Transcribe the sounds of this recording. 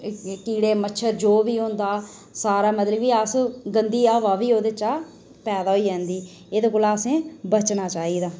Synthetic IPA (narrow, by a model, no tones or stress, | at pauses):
ʈiːɽeːmətːʃʰəɾd͡ʒoːʋiːɦõːnd̪aː | saːɾaːmət̪ləbiːəsɡənd̪iːaːʋaːʋiːoːd̪et͡ʃaː | pɛːd̪aːɦoiːd͡ʒɛ̃ːnd̪iː | eːd̪oːkoːlaːsẽːbət͡ʃnaːt͡ʃaːiːd̪aː